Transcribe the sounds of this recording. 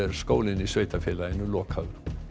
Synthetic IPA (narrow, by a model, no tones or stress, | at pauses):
ɛɾ̥skoːwlɪnisvœɥt̪afɛlaɪnʏlɔːkʰhawɾ